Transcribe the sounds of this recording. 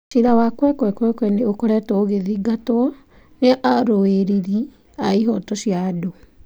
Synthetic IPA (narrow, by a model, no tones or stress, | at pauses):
ʃiðawakwɛkwɛkwɛkwɛneokoɾɛtɔoɣeðiɡatɔ | neʔaɾoeɾiɾi | aiɦɔtɔɕjado